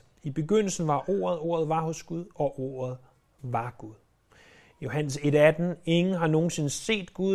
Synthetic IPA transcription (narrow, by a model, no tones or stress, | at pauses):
ib̥e̝ɡ̥øn̰l̩sn̩ʋɑ̈ʔo̝̰ːɐð̞ˠo̝̰ːɐð̩ˠʋɑ̈hɔ̽sɡ̥uð̞ˠɒ̽ʔo̝ːɐð̞̩ˠ | ʋɑ̈ɡ̥uðˠ | jo̝ɦæn̰se̝ɾæd̥n̩e̝ŋn̩ɦɑ̈no̝ːn̩se̝nəse̝̰ːd̥ɡ̥u